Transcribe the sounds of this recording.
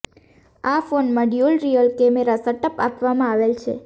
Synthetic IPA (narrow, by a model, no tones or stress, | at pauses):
afonmãɖjulɾijəlkɛmeɾasəʈəpapʋamãaʋelt͡ʃʰḛ